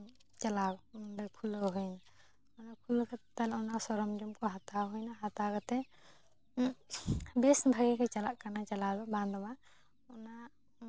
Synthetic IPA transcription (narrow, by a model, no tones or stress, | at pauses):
t͡ʃalawbakʰulɔɦujna | ɔnapʰulɔkʰat̪alɔnasɔɾɔmd͡ʒɔmkɔɦat̪aɦujnaɦat̪akʰat̪ɛ | bɛsbʱaɡɛkʰɛt͡ʃalaʔkanat͡ʃalad̪ɔband̪ɔma | ɔna